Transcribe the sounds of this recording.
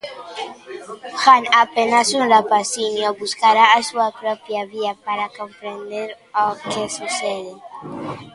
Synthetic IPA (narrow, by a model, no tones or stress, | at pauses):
xanapenasunrapasiɲobuskaɾaːsuapɾopjaβiapaɾakompɾend̪eɾ | okesuseðe